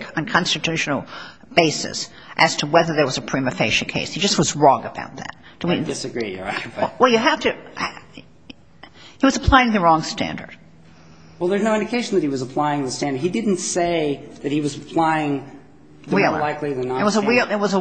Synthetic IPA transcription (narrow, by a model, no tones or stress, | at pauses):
kʰn̩kʰɑ̃nstɨtʰʉʃn̩l̩ˠ | b̥eɪsɨ̰s | ʔɨz̥tʰəwɛðə˞ðə˞wʌzɨpʰɹ̥imɨfeɪʃɨkʰeɪshid͡ʒʌst̚wʌzɹɔ̃ŋɨba̰ʊt̪̚ðæ̰t̚d̥ɨwiɪsɨɡɹij̰awɛlˠjɨɦæftɨ | hiwʌzəpʰl̥aɪɪ̃ŋðɨɹɔ̃ŋstæ̰̃ndə̰˞d̥ | wɛlˠðə˞znoʊɪ̃ndɨkʰeɪʃn̩ðɨt̚hiwʌzəpʰl̥aɪɪ̃ŋðəstæ̃ndə˞d̚hidɪdⁿn̩tseɪðɨt̚hiwʌzəpʰl̥aɪɪ̃ŋ | wilˠə̰laɪkliðənɨt̚wʌzəwilˠɨt̚wʌzə